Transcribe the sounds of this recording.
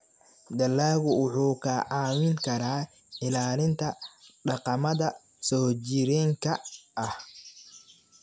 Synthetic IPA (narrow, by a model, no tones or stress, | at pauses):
d̪ɐlːaːɣʊwʊħuːkʰɐʕaːwɪŋkʰɐɾaː | ʕɪlaːlɪnt̪ʰɐɖɑqɑmɐðɐ | sɔːt͡ʃɪɾiːŋkʰɐʔɐh